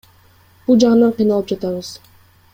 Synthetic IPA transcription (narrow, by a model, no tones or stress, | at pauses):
b̥ulˠd͡ʒɑɴɯnɑɴqʰijnɑlˠɯp̚d͡ʒɑt̪ɑβɯz